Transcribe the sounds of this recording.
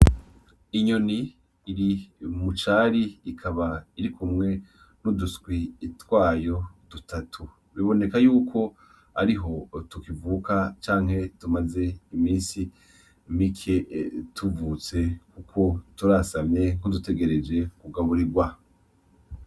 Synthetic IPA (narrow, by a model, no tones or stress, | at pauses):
iɲo̞niː | ɾimut͡ʃaːɾiːkʰaβaiɾikʰumŋe̞ | nudusɡwiːtwaːjo̞d̥utatʰu | βiβo̞ne̞kajuːkʰo̞ | a̰ɾiɦo̞tukivuːkat͡ʃaːŋ̥he̞tumaze̞imiːsi | mikʰe̞tʰuvut͡se̞kukʰo̞tuɾasavɲe̞ŋ̥odute̞ɡe̞ɾe̞d͡ʒe̞kuɡaβuɾiɾɡwa